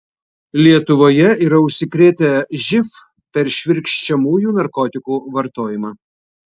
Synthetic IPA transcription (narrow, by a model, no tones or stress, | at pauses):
lʲiɛt̪ʊʋoːjɛiːɾɐʊʃʲsʲɪkɾʲeːt̪ʲɛʒʲɪf | pʲɛɾʃʲʋʲɪɾʲkʃʲt͡ʃʲɛmuːjuːnɐɾkɔt̪ʲɪkuːʋɐɾt̪oːjɪmɑː